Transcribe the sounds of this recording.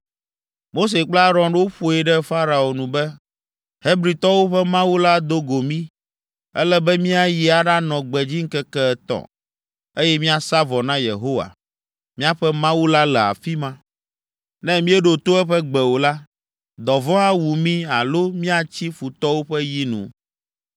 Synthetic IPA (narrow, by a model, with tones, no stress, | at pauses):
mo˦s̬e˨k͡pla˦ɾɔ̃˦ɖwo˦ɸo˨ɛ˨ɖɛ˦fa˦ɾa˨o˨nũ˨bɛ˦ | he˦bɾi˨t̪ɔ˦wo˦ɸɛ˦mã˦wu˦la˦d̪o˦ɡo˨mĩ˦ | ɛ˦lɛ˦bɛ˦mĩ˦a˨ji˨a˨ɖa˦nɔ̃˨ɡ͡bɛ˨d͡ʑi˦ŋ̩˦kɛ˦kɛ˦ɛ˦t̪ɔ̰̃˨ | e˦jɛ˦mĩ˦a˨sa˦vɔ˨nã˦jḛ˨ɦo˦wa̰˨ | mĩ˦a˦ɸɛ˦mã˦wu˦la˦lɛ˨a̰˨fi˦mã˦ | nɛ̃˦mĩ˦ɛ˦ɖo˨t̪o˦ɛ˦ɸɛ˦ɡ͡bɛ˨wo˨la˦ | d̪ɔ˨vɔ̃˦a˦wu˨mĩ˦a˨lo˦mĩ˦a˨t͡ɕi˦fu˨t̪ɔ˦wo˦ɸɛ˦ji˦nṵ̃˨